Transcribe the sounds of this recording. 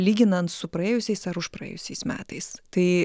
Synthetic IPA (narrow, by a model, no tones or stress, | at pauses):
lʲiːɡʲɪnɐnt̪sʊpɾɐeːjʊsʲɛɪsɐɾʊʃpɾɐḛːjʊsʲɛɪsmʲæ̰ːt̪ɐɪst̪ɐɪ